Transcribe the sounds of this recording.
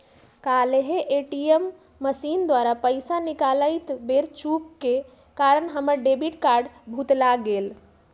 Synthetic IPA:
kaleɦeʔeʈiəmː | əsind̪waɾapəɪsanikaləɪt̪beɾt͡ʃup̚ke | kaɾənɦəməɾɖebiʈkaɾɖbʱut̪laɡel

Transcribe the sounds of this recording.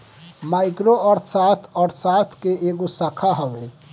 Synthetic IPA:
majkɾoəɾt̪ʰsast̪ʰɔɾsast̪ʰkeʔeɡosəkʰaɦəbe

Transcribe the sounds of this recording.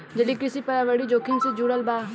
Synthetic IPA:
d͡ʒɐlikɾɪsipɐɾaʋəɽid͡ʒoːkʰinsed͡ʒuɽəlbaː

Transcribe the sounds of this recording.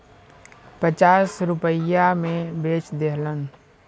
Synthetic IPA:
pət͡ʃaːsɾʊpəjamẽbeːt͡ʃd̪eɦlən

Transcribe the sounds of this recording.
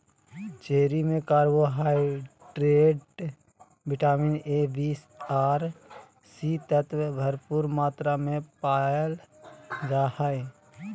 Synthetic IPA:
t͡ʃeːɾimẽkaːɾwoɦaːiʈɾeːɖ | bɪʈaːmɪneːbiːs | aːɾ | siːt̪ət̪ʰwbʱəɾpuːɾmaːt̪ɾamẽpaːjəl | d͡ʒaːhae

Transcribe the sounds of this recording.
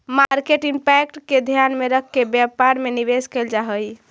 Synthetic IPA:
maɾkeʈimpɛkʈked̪ʱjanmeɾəkʰːebjapaɾmeniβeskeld͡ʒaɦəj

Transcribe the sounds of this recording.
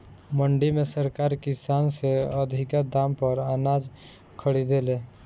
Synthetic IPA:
məɳɖimẽsəɾkaɾkɪsaːnseəd̪ʱikad̪ampəɾanad͡ʒ | kʰəɽid̪ele

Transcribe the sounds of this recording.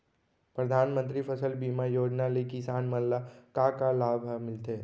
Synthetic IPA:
pɾɐd̪ʱaːnmə̃nt̪̬ɾipʰəsəlbiːmajoːd͡ʒnalekisaːnmənlakakalaːbʱmɪlt̪eː

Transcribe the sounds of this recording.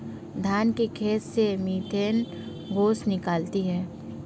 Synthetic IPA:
d̪ʱaːnkekʰeːt̪semiːt̪ʰeːn | ɡoːsnɪkaːlt̪iɦɛː

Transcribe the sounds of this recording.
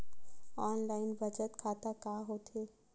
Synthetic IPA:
ɔːnlaːɪnbʱɐd͡ʒət̪kʰaːt̪akaːɦoːt̪ɦeː

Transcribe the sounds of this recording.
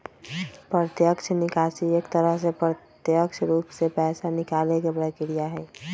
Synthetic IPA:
pɾət̪jəkʃʰnɪkaːsieːkt̪əɾəɦsepɾət̪jəkʃʰɾuːpsepɛːsanɪkaːlekebɾəkɪɽijaɦɛː

